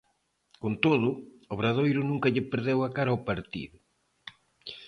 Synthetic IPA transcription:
kont̪oðʊ | oβɾaðojɾʊnũŋkɐʎɪpeɾðewakaɾɐaopaɾt̪ḭðʊ

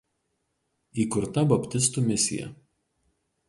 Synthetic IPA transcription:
iːkʊɾt̪ɐbɐpʲt̪ʲɪs̬t̪uːmʲɪsʲɪ̰jɛ̰

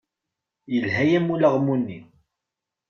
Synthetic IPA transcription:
jəlhæjæmuləʁmunːḭ

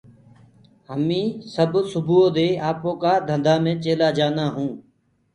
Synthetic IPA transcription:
ɦəmĩːsəbsʊbʱuːõːd̪eːaːpõːkaːd̪ʱə̃nd̪aːmẽːt͡ʃeːlaːd͡ʒaːnaːɦũː

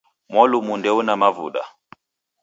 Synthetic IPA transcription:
mwɔlumundɛunamavṵɗa̰

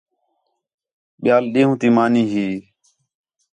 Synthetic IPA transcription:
ɓɪjaːlɗẽːɦũːt̪iːmaːniːɦiː

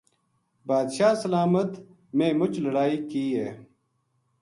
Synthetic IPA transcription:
baːd̪ʃaːsəlaːmət̪ | mẽːmʊt͡ʃləɽaːiːkiːɦeː

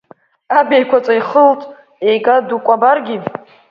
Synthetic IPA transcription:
abejkʷʰat͡sʼaiχəltʼ | ejɡʼadukʷʼabarɡʲi

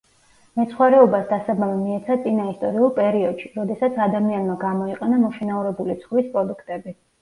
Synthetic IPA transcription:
mɛt̪sʰχwaɾɛɔbasd̪asabamɛmiɛt̪sʰat̪sʼinaist̪ʼɔɾiulˠpʼɛɾiɔd̪̥ʃiɾɔd̪ɛsat̪sʰad̪amianmaɡamɔiqʼɛnamɔʃɛnauɾɛbulit̪sʰχvispʼɾɔd̪ukʰt̪ʼɛbi

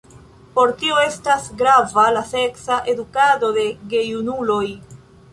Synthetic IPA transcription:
po̞ɾtio̞e̞stasɡɾavalase̞ksaʔe̞dukado̞de̞ɡe̞junulo̞j

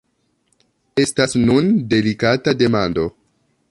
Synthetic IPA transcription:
e̞stasnunde̞likatade̞mando̞

